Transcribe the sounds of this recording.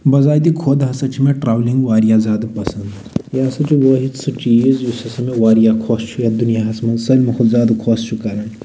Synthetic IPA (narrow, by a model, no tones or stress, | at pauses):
bɐzaːjd̪ikʰoːd̪ɦɐsɐt͡ʃʰimẽʈɾaːwliŋɡʋaːɾijazaːd̪pɐsɐnd̪ | jasɐt͡ʃʰuʋəɦisɨt͡ʃiːzjusɐsɐmeʋaːɾijakʰost͡ʃʰujɐd̪unijaɦɐsmɐsɐlʲmɐkuzʲaːd̪kʰoːst͡ʃʰukɐɾɐn